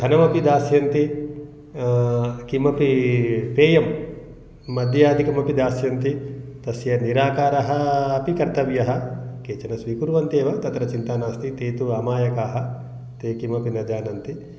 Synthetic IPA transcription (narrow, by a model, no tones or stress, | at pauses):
ɐnɐmɐpid̪aːsjɐnt̪i | kimɐpipʰeːjɐmː | ɐd̪ʱjaːd̪ʱikɐmɐpid̪aːsjɐnt̪it̪ɐsjɐniɾaːkaːɾɐɦɐːpikɐɾt̪ɐʋjɐɦɐkeːt͡ʃɐnɐsʋiːkuɾʋɐnt̪eːʋɐt̪ɐt̪ɾɐt͡ʃint̪aːnaːst̪it̪eːt̪uɐmaːjɐkaːɦɐ̆ | t̪eːkimɐpinɐd͡ʒaːnɐnt̪i